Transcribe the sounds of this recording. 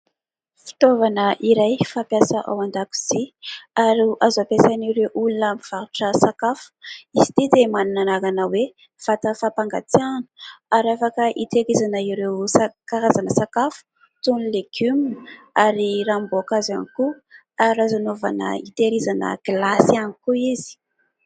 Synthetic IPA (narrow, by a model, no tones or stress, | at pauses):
fi̥t̪ovanəʔiɾajfapjasəʔa̰wand̪aku̥z̥iaɾuʔazapesaniɾewʔulunamiv̥aɾuʈ͡ʂəsakafu̥isi̥t̪id̪emaninanaɡanəwe | fat̪əfapaŋɡa̰t͡s̪ianu̥aɾafakəʔit̪eɾizanəiɾewsakaɾazanəsakafu̥ | t̪unileɡ̥ymin | aɾiramboakazaniku | aɾazanova̰nə̰it̪eɾizanə̰ɡ̥lasianikuizi̥